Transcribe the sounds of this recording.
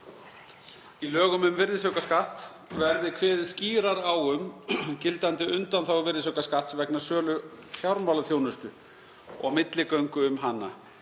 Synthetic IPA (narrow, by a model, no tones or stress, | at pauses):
ilœːɣʏmʏmvɪɾðɪs̬œkaskaht̪ | vɛɾðɪkʰvɛːðɪsciːɾaɾawʏmcɪlt̪ant̪ɪʏnt̪anθawvɪɾðɪsœkaskaht̪svɛknasœːlʏfjawɾmawlaθjownʏst̪ʏ | ɔ̰ɣmɪt̪lɪkœɥŋkʏʏmɦanːa